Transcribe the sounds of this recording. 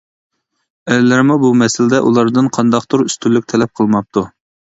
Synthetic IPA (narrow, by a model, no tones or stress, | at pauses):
ɛlɪlæɾmubumɛsɪlɪd̪ɛʔulˠɑɾd̪ɨnqʰɑnd̪ɑqt̪ʰuɾyst̪ʰylːyk̚ʲt̪ʰɛlɛp̚qʰəlˠmɑp̚t̪u